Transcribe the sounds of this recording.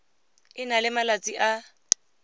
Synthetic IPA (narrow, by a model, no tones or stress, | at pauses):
ɪnalɪmalat͡sʼiʔa